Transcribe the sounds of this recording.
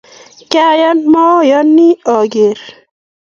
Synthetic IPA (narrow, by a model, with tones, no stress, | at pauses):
ka˦ja˦nmɔ˦jɔ˦nːi˦ɔ˨ɡe˨ɾ